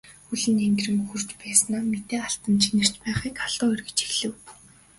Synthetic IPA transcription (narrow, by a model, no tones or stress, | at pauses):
xuɮɘ̆neŋɡrɘ̆mɵxur̥t͡ɕpæːsnaːmet̪eːaɬt̪ə̆mt͡ɕʰinɘ̆r̥t͡ɕpæːχiːkaɮ̥ʊːœrɣɘ̥̆t͡ɕiɮɘ̆w